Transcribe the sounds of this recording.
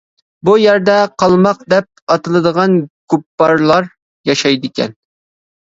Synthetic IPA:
bujæɾd̪ɛqʰɑlˠmɑqd̪ɛp̚ɑt̪ɨlˠɨd̪əʁɑnɡ̥upːɑɾlˠɑɾ | jɑʃɑjd̪ɪkʲɛ̰n

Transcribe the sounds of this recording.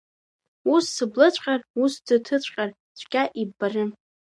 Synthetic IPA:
usːɨblɨt͡ɕʷʼqʲʼarusdɨtʰɨt͡ɕʷʼqʲʼar | t͡ɕʷʰkʲʼaʔibarɨ

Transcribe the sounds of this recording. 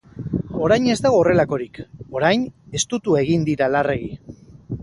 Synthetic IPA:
o̞ɾajne̞zd̪aɣ̞oːre̞lako̞ɾiko̞ɾajne̞st̪ut̪ue̞ɣind̪iɾalare̞ɣi

